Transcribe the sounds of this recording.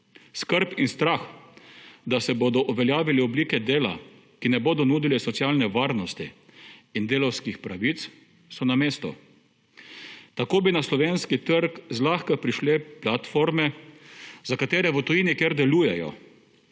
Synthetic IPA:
skəɾpinst̪ɾax | d̪asɛboːd̪ɔʔuʋɛljaːʋiliɔbliːkɛd̪eːla̰ | kinɛboːd̪ɔnuːd̪ilɛsɔt̪sjaːlnɛʋaːɾnɔst̪ḭː | nd̪eːlɔwskixpɾaʋit̪s | sɔnameːst̪ṵ | t̪akoːbinaslɔʋeːnskit̪əɾkzlaxkapɾiʃlɛplat̪fɔɾmɛ | zakat̪eːɾɛʋət̪ɔjiːnikeɾd̪ɛluːjɛjɔ̰

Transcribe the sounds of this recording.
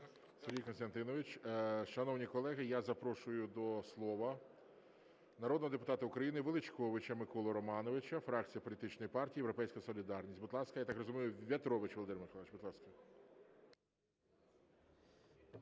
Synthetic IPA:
seɾʲɦʲijkɔnst̪ɐnt̪ɪnɔʋɪt͡ʃʲʃɐnɔwnʲikɔlˠɛɦɪjazɐpɾɔʃʊjʊd̪ɔslˠɔʋɐ | nɐɾɔd̪nɔɦɔd̪epʊt̪ɑt̪ɐʊkɾɐjinɪʋelˠɪt͡ʃkɔʋɪt͡ʃɐmɪkɔlˠɔɾɔmɑnɔʋɪt͡ʃɐfɾɑk̚t͡sʲijɐpɔlʲit̪ɪt͡ʃnɔjipɑrtʲiːjeɾɔpɛjsʲkɐjɐsɔlʲid̪ɑrnʲisʲtʲbʊd̪lˠɑskɐjat̪ɑkrɔzʊmijʊʋʲɐt̪ɾɔʋɪt͡ʃʋɔlˠɔd̪ɪmɪkɔlˠʋɪt͡ʃbʊd̪lˠɑskɐ

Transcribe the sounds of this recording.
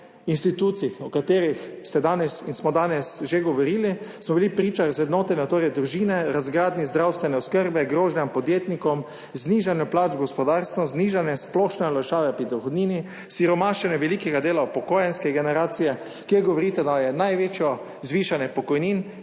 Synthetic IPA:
inst̪it̪uːt̪siixɔkat̪eːɾixst̪ɛd̪aːnɛsinsmɔd̪aːnɛsʒeɡɔʋɔɾiːlismɔbilipɾiːt͡ʃaɾzʋɛd̪noːt̪ɛnɛɔt̪oːɾɛd̪ɾuʒiːnɛɾazɡɾaːd̪nizd̪ɾawst̪ʋɛnɛɔskəɾbɛɡɾoːʒnjampɔd̪jeːt̪nikɔm | zniːʒanjɔplaːd͡ʒɡɔspɔd̪aːɾst̪ʋɔzniːʒanjɛsplɔʃnɛɔlaʃaːʋɛpɾid̪ɔxɔd̪niːni | siɾɔmaʃɛnjɛʋɛlikɛɡad̪eːlaupɔkoːjɛnskɛɡɛnɛɾaːt̪sijɛ | kjeɾɡɔʋɔɾit̪ɛd̪ajɛnajʋeːt͡ʃjɔ | zʋiːʃanjɛpɔkɔjniːn

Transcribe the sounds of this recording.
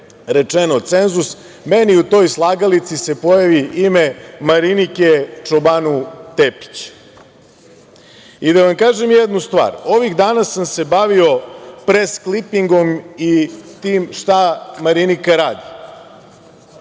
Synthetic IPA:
ɾe̞t͡ʂeno̞t̪se̞nzus | me̞niut̪o̞ːjslˠaːɡalit̪sise̞pojaʋiʔime̞maɾiniket͡ʂobanut̪epi̥t͡ɕ | id̪aʋamkaːʒe̞mjed̪nust̪ʋa̰ːɾo̞ʋiɣd̪aːnasamse̞baʋio̞pɾesklipiŋɡo̞mit̪iːmʃt̪amaɾinikaɾaːd̪i

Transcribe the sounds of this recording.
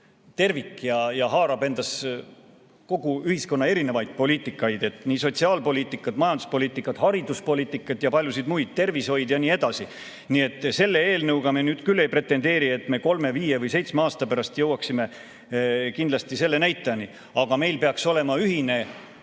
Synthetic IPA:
t̪e̞rvikːjɑjɑɦɑːɾɑbe̞nd̪̥ɑs | ko̞ɡ̥uyhisko̞nːɑe̞ɾine̞vɑjd̪̥̚po̞lʲiːt̪ːˑikːˑɑjd̪̥e̞t̪ːˑniːso̞t̪siɑːlpo̞liːt̪ːˑikːˑɑt̪mɑjɑnd̪̥uspo̞lʲiːt̪ːˑikːˑɑt̪hɑɾid̪uspo̞lʲiːt̪ːˑikːˑɑt̪jɑpɑlʲjusid̪mujd̪̥̚t̪e̞rvisho̞jd̪̥jɑniːe̞d̪̥ɑsi | nie̞t̪ːˑse̞lːe̞e̞ːlnɤwɡ̥ɑmenyːd̪̥kylːe̞jpre̞t̪ːe̞nd̪e̞ːɾie̞t̪me̞ko̞lme̞viːje̞vɯjse̞jt̪smeɑːst̪ɑpæɾɑst̪jɤwɑksime̞ | kind̪lɑst̪ise̞lːe̞næjt̪ːˑeɑni | ɑɡ̥ɑme̞jlpe̞ɑkso̞le̞mɑyɦine̞

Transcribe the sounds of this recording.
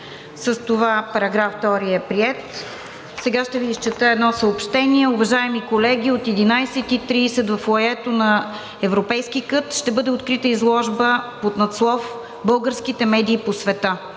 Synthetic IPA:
səst̪ovapɐɾɐɡɾaft̪ɔɾiɛpɾiɛt̪ | sɛɡaʃt̪ɛviːst͡ʃɛt̪əɛd̪nɔsəopʃt̪ɛniɛʊvɐʒaɛmikolɛɡ̟ʲiot̪ɛd̪inajsɛt̪it̪ɾiːsɛt̪vɐflˠɐɛt̪onɐ | ɛvɾopɛjsk̟ikɤt̪ʃt̪ɛbɤd̪ɛot̪kɾit̪əizlˠɔʒbəpot̪nɐt̪slˠɔf | bɤlˠɡəɾsk̟it̪ɛmɛd̪iːposvɛt̪a

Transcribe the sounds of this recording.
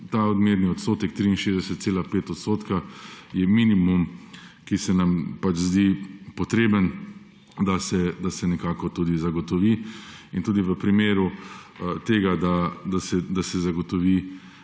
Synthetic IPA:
t̪aɔd̪meːɾniɔt̪st̪oːt̪ɛk̚t̪ɾiinʃeːzd̪ɛsət̪t̪seːlapeːt̪ɔt̪st̪oːt̪kajɛminimumkisɛnampad͡ʒzd̪ipɔt̪ɾeːbən | d̪asɛd̪asɛnɛkaːkɔt̪uːd̪izaɡɔt̪ɔʋiint̪uːd̪iʋəpɾimeːɾu | t̪eːɡad̪ad̪asɛd̪asɛzaɡɔt̪ɔʋi

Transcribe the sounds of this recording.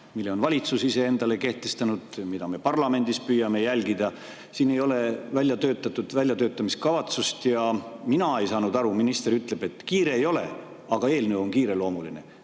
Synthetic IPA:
milːe̞o̞nvɑlʲit̪susise̞e̞nd̪̥ɑle̞ke̞ht̪est̪ɑnud̪̥mid̪ɑme̞pɑrlɑme̞nd̪̥ispyjːɑme̞jælɡid̪ɑ | siːne̞jo̞le̞vælʲjɑt̪ø̞ːt̪ːˑɑt̪ːˑud̪̥vælʲjɑt̪øːt̪ːˑɑmiskɑvɑt̪sust̪jɑminɑe̞jsɑːnud̪ɑɾuminist̪e̞ɾyt̪ːˑle̞b̥e̞t̪ːkiːɾe̞ːjo̞le̞̰ | ɑɡ̥ɑe̞ːlnyo̞nkiːɾe̞lo̞ːmuline̞̰

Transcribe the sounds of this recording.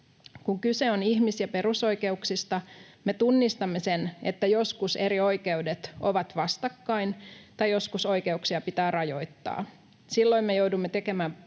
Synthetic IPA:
kuŋkyseoniçmisjɑpe̞ɾuso̞jke̞uksist̪ɑme̞t̪unːist̪ɑmːe̞se̞nḛt̪ːæjo̞skuse̞ɾio̞jke̞udet̪o̞ʋɑt̪ʋɑst̪ɑkːɑint̪ɑjo̞skuso̞jke̞uksiɑpit̪æːrɑjo̞jt̪ːɑ̰ː | silːo̞imme̞jowdumːet̪e̞ke̞mæː

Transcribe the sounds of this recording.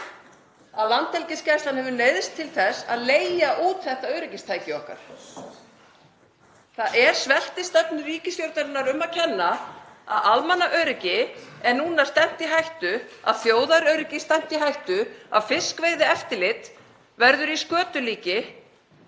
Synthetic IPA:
aðlant̪ːɛlcɪscajst̪anhɛvʏneːjðɪst̪ʰːɪlθɛsːa̰ðleːjaʔuːt̪θɛht̪aœɥɾɪcɪst̪ʰaːjcɪɔhka̰ɾ̥ | θaðʔɛɾ̥svɛl̥t̪ɪst̪ɛpnʏɾiːcɪsjowɾt̪aɾɪnːaɾʏmːacʰɛnːa | a̰ðalmɛnːaʔœɥɾɪcɪɛɾnuːnḁst̪ɛm̥t̪iɦajht̪ʏa̰ðθjoːwðaɾœɥɾɪcɪst̪ɛm̥t̪iɦajht̪ʏa̰ðfɪskvejðɪɛft̪ɪlɪt̪ | vɛɾðʏɾiskœːt̪ʏliːcɪ

